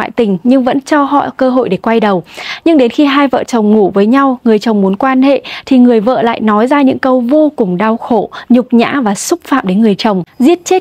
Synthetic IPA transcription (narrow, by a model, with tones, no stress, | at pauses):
a̰ː˧˨jt̪ï˨˩ŋ̟ɲɨ˧ŋvə̰˧˥nt͡ɕɔ˧ɦɔ̰˧˨kəː˧ɦo̰˧˨jɗe˧˩kwa˧jɗə˨˩wɲɨ˧ŋɗe˨˦nxi˧ɦaː˧jvə̰ː˧˨t͡ɕə˨˩wŋ͡mŋu˧˩vəː˨˦jɲa˧wŋɨ˨˩əjt͡ɕə˨˩wŋ͡mmu˨˦ənkwaː˧nhḛ˧˨t̪ʰi˨˩ŋɨ˨˩əjvə̰ː˧˨la̰ː˧˨jnɔ˨˦jzaː˧ɲɨ̰˧˥ŋkə˧wvo˧kʊ˨˩ŋ͡mɗa˧wxo̰˧˨ɲʊ˨˩k͡p̚ɲa̰ː˧˥vaː˨˩sʊ˦˥k͡p̚fa̰ː˧˨mɗe˨˦nŋɨ˨˩əjt͡ɕə˨˩wŋ͡mzi˦˥ət̚t͡ɕe˦˥